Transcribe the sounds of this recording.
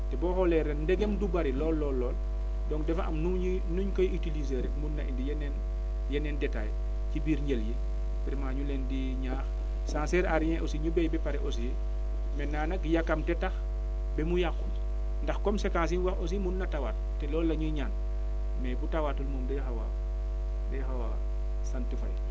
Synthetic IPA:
tɛbɔːxɔlɛɾenndɛɡemdubaɾilɔːlːɔːlːɔːl | dɔŋdɛfaʔɐ̰mnu | nuɲkɔjʔitilizeɾɛkmunːɐʔindijɛnen | jɛnɛndɛtaːj | cibiːɾɲelji | piɾmaɲulɛndi | ɲaːx | saːnsɛɾaɾjɛ̃ʔosiɲubɛjbɛpaɾɛʔos̬ij | mɛnaːnɐkjakːamtɛtax | bɛmujakːum | ndɐxkɔmsekãns̬inwaxʔos̬imunːɐtawaːt̚ːɛlɔːlːɐɲuɲaːn | mɛbutawatulmuːmdɐjxawa̰ | dɐjxawa̰ | santifaj

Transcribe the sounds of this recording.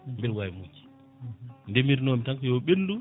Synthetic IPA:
mbɛlwajimukːi̥ | ndɛmiɾnɔmitaŋkɔjɔɓendu

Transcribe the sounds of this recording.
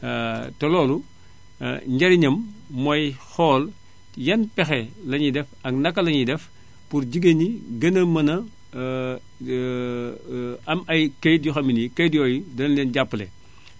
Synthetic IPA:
tɛlɔːlu | ɲɟɐɾiɲɐmːɔjxɔːl | jɐnpɛxɛlɐɲidɛfɐknɐkːɐlɐɲidɛf | puɾɟiɡeɲiɡɐnɐmɐnɐ | ɐmɐjkɐjdjuxɐminikɐjdjɔːjidɐnɐlɛnɟapːlɛ̰

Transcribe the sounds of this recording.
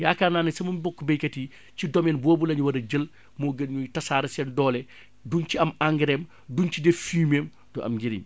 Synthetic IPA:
jaːkaːnaːnɐsɐmɐmibɔkːbɐjkɐti | cidɔmɛnboːbulɐɲuwɐɾɐɟəl | moːɡɐnɲutɐsaːɾɐsɛndɔːlɛ | dunciɐmaŋɡɾɛm | duncideffiːmeːm | dɔʔɐ̰mɡiɾḭm

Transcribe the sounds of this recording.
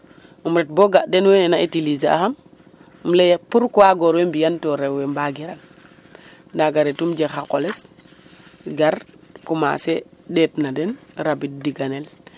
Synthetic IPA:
umɾɛt̚boɡaʔdɛnwenenaitiliza̰xam | mlejpuɾkuwaɡoɾwembijantoɾewembaɡiɾan | daɡaɾetumd͡ʒexakoles | ɡaɾkuma̰sedetnadenɾabit̚diɡanel

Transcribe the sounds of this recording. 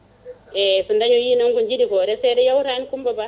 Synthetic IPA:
ɛsundaɲɔjiːnɔŋɡuɲd͡ʒiɗikɔɾɛsɛɾɛjawɾankumbaba

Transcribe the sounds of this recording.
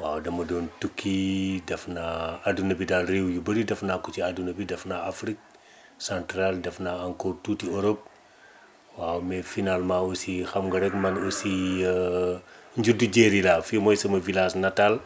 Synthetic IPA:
wa̰ːwdɐmɐdɔːntukʰːidɐfnaadunɐbidaːlrewjubɐɾidɐfnakut͡ʃiadunɐbidɐfnaafɾik̚ | sãntɾaldɐfnaaŋkotːutioɾɔp̚ | waːwmɛfinalmãosixɐmŋɡɐɾɛkmɐnosi | ɲɟuduɟeɾilaːfimɔjsɐmɐvilasnɐtal

